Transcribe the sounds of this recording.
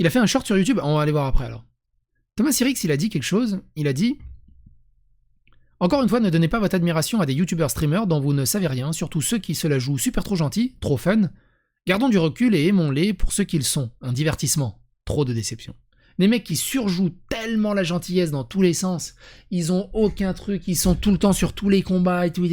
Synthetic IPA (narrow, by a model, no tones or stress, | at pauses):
ilafɛɛ̃ʃɔʁt̪syʁjut̪ybɔ̃vaːlevwaʁapχɛa̰lɔ̰ːʁ | t̪ɔmasiʁiksilad̪ikʲɛlkə̥ʃozilad̪i | ɑ̃kɔʁynfwanəd̪ɔnepavɔt̪χad̪miʁasjɔ̃ad̪ejut̪ybœʁst̪χimœʁd̪ɔ̃vunəsaveʁjɛ̃syʁt̪usøkʲisəlaʒusypɛʁt̪χoʒɑ̃t̪it̪χofœn | ɡaʁd̪ɔ̃d̪yʁəkʲyleːmɔ̃lepuʁsøkʲilsɔ̃ɛ̃d̪ivɛʁt̪ismɑ̃ | t̪χod̪əd̪esɛpsjɔ̃ | lemɛkʲːisyʁʒut̪ɛlmɑ̃laʒɑ̃t̪ijɛs̬d̪ɑ̃t̪ulesɑ̃silzɔ̃okʲɛ̃t̪χykilsɔ̃t̪ulət̪ɑ̃syʁt̪ulekɔ̃baet̪u